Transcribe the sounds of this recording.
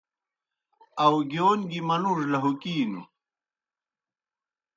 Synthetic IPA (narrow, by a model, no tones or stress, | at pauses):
ɐwɡjoːnɡimɐnuʐlɐɦukiːnṵ